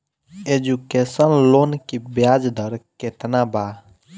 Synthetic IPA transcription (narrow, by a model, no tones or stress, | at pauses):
ed͡ʒukesənlonkibjad͡ʒd̪əɾket̪naba